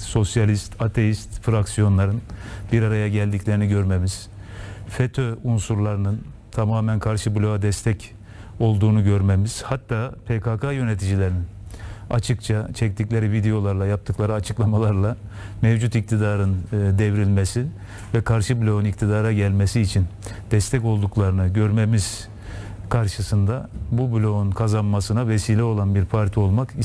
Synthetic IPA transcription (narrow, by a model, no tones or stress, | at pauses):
so̞sjalʲist̪ʰat̪ʰe̞jist̪fɾaksijo̞nlˠaɾɯnbiɾaɾajaɟælʲd̪icʲlʲe̞ɾiniɟø̞ɾmemiz̥ | fet̪ʰøunsuɾlˠaɾɯnɯn | t̪ʰamaːmænkʰaɾʃɯblʲo̞ad̪ɛst̪ʰɛc | o̞lˠd̪uːnuɟø̞ɾmemiz̥hat̪ʰːaːpʰekʰakʰajø̞net̪ʰid͡ʒilʲeɾinin | a̰t͡ʃʰɯkt͡ʃʰat͡ʃʰɛc̚t̪ʰiclʲeɾivid̪ejo̞lˠaɾlˠajap̚t̪ʰɯklˠaɾɯat͡ʃʰɯklˠamalˠaɾlˠa | mɛvd͡ʒut̪ic̚t̪ʰid̪aːɾɯnd̪ɛvɾilʲmesi | vɛkʰaɾʃɯbulʲo̞unict̪ʰid̪aːɾaɟælʲmesiːt͡ʃʰind̪̥ɛst̪ʰɛco̞lˠd̪uklˠaɾɯnɯɟø̞ɾmemiz̥ | kʰaɾʃɯsɯnd̪abubulʲo̞unkʰazanmasɯnavɛsiːlʲɛo̞lˠanbiɾpʰaɾt̪ʰio̞lˠmaki